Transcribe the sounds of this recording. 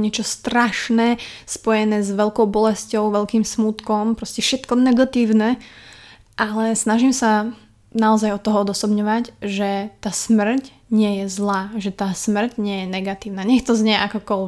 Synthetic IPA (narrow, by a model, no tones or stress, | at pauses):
ɲɪɛt͡ʃɔst̪ɾaʃnɛspɔjɛnɛːzʋɛlkɔʊbɔlɛscɔʊʋɛʎkiːmsmut̪kɔmpɾɔscɛfʃɛt̪kɔnɛɡat̪iːʊnɛ | ʔalɛsnaʒiːmsa | naɔzajɔt̪ːɔɦɔɔd̪ɔsɔbɲɔʋacʒɛt̪aːsmr̩c | ɲɪɛjɛzlaːʒɛt̪aːsmr̩cɲɪɛjɛnɛɡat̪iːʊnaɲɛxt̪ɔzɲɛʔakɔkɔlʋɛ